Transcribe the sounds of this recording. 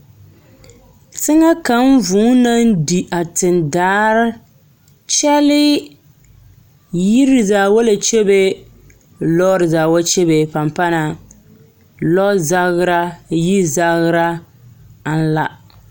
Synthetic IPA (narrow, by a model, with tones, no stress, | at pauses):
tɨ˦ŋa˦ka˨˦m˦vuː˨˦na˦n˦di˨ʔa˨tɨ˨ndaː˦ɾɪ˦ | t͡ʃɛ˦lɪ˦ | ji˦ɾɪ˨zaː˨wa˦la˨t͡ʃɛ˦be˦ | lɔ˦ɾɪ˨zaː˨wa˦t͡ʃɛ˦be˨pa˨mpa˦na˨ | lɔ˦za˦ɣɾa˦ji˦za˦ɣɾa˦ | n̩˦la̰˦